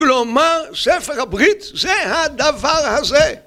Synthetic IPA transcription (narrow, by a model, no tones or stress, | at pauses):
lomaʁsefeʁabʁit̪zehad̪avaʁhaze